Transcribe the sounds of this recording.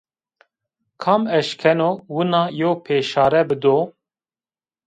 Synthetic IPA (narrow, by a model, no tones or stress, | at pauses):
kʰɑːmɛʃkʰɛnowunɑːjoːwpʰeːʃɑːɾɛbɨd̪oː